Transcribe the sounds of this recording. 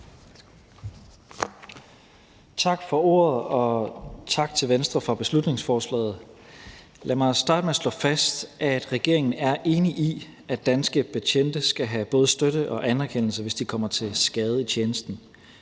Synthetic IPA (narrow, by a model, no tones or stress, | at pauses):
t͡sʰɑ̈ɡ̥fɒ̽o̝̰ːɐð̩ˠɒ̽t͡sʰɑ̈ɡ̥̚t͡sʰe̝lʋensd̥ʁɐfʁɑ̈b̥e̝slud̥ne̝ŋsfɒːslɛ̰ːð̞̩ˠ | læmɑ̈ɪsd̥ɑ̈ːd̥meæslɔ̰̽fæsd̥ʔæd̥ʁɛɡ̥e̝ɐ̰eŋn̩æɐʔe̝ːniʔi | æd̥ːænsɡ̥əpʰæɕʰen̰d̥əsɡ̥æɦæb̥ɔ̽ːð̞̩ˠsd̥øɾ̥əʔɒ̽ʔænæɐkʰen̰l̩səʋe̝sd̥ikʰɒ̽m̰ɐt͡sʰe̝lsɡ̥ɛːð̞̩ˠəit͡ɕʰeːnəsd̥n̩